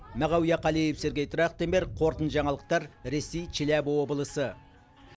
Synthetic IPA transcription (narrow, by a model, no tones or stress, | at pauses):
mæʁɑwjɑqʰɑlˠijepse̞ɾɡʲejt̪ʰɾɑχt̪embeɾqʰo̞ɾt̪ənʒɑɴɑlˠəq̚t̪ɑɾɾe̞sejt͡ʃʰɪlæbwo̞bəlˠəsə